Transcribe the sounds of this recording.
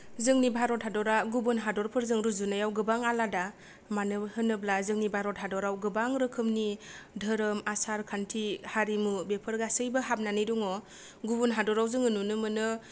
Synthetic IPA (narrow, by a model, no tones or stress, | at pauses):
zɯŋnibʱaɾɔtɦadɔɾaɡubunɦadɔɾpʰɯɾzɯŋɾɯzunajawɡɯbaŋalada | manɯhɯnɯblazɯŋnibʱaɾɔtɦadɔɾawɡɯbaŋɾɯkʰɯmnidʱɯɾɯmasaɾkʰantʰihaɾimubepʰɯɾɡasɯjbɯɦap̚nanɯjdɔŋɔ | ɡubunɦadɔɾawzɯŋɯnunɯmɯnɯ